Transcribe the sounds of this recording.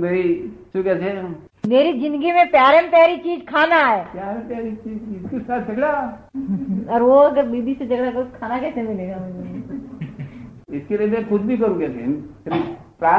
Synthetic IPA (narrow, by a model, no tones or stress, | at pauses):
meːɾit͡ʃukɛːsʰe | meːɾid͡ʒɪ̃nd̪əɡimẽpjaːɾempjaːɾit͡ʃiːd͡ʒkʰaːnaɦɛːpjaːɾɛmpjaːɾit͡ʃiːd͡ʒɪskesaːt̪̚ʰd͡ʒɐɡɽa | ɔːɾʋoɐɡəɾbiːbised͡ʒɐɡɽakɐokʰaːnakɛːsemɪleːɡamɛɾe | ɪskeliemɛ̃kʊd̪̚bʱikɐɾũːɡesenpʰɾi | pɾaː